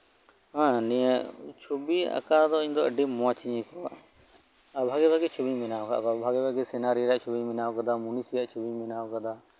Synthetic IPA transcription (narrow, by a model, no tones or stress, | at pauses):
ɦãnijɛt͡ʃʰubia̰kad̪ɔiɲd̪ɔəɖimɔat͡ʃiɲɛ̃kɔa | abʱaɡɛbʱaɡɛt͡ʃʰubiɲmɛnaɔka̰ʔkɔbʱaɡɛbʱaɡɛsɛnaɾiɾɛʔt͡ʃʰubiɲminaɔkɔd̪amunisijaʔt͡ʃʰubiɲminaɔkad̪a